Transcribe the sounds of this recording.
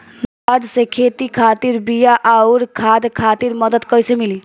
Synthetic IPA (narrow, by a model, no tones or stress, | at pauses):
l | aɖsekʰet̪ikʰat̪iɾbijaʔauɾkʰad̪kʰat̪iɾməd̪əd̪kəjsemili